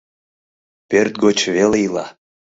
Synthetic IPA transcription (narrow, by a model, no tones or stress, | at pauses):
pørt̪̚ɡot͡ɕvelejilɑ